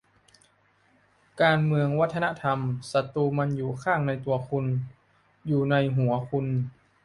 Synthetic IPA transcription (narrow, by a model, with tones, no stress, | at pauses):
kaː˧nmɯ˧əŋwa˦˥t̪ʰːa˧na˦˥t̪ʰa˧msa˧t̪uː˧ma˧njuː˨˩kʰaː˥˩ŋna˧jt̪u˧ɐkʰu˧n | juː˨˩na˧jɦu˩˦ɐkʰu˧n